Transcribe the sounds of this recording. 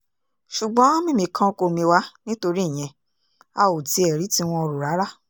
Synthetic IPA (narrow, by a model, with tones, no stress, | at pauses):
ʃu˨ɡ͡bɔ̃˨˦mĩ˦˨mĩ˧kʰã˧ko˧˨mĩ˧wa˦nĩ˦to˧ɾĩ˦˨ɛ̃˧ | a˧o˨ti˧˦ɛ˨ɾi˨˦ti˧w̃ɔ̃˧ɔ˧ɾo˨ɾa˨˦ɾa˦˨